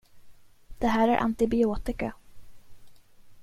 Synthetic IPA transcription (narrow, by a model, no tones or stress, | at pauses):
d̪̥ɛɦæːɾæɾʔa̰nt̪ɪbɪuːt̪ɪka